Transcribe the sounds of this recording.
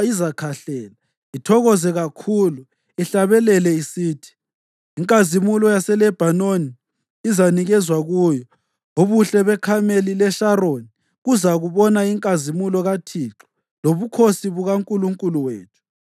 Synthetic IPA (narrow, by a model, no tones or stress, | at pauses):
izakʰaɬɛːla | itʰɔɣɔzɛɣakʰuːlu | iɬaβɛlɛlɛisiːtʰi̥ | iŋkʼazimulɔjasɛlɛb̥ʱanoniː | zaniɣɛzwaɣuːjɔ | oβuɬɛβɛkʰamelilɛʃaɾoni | ɣuzaɣuβɔnaiŋkʼazimulɔɣatʰiǁɔ̥ | loβukʰosiβuɣaŋkʼuluŋkʼuluwḛːtʰu̥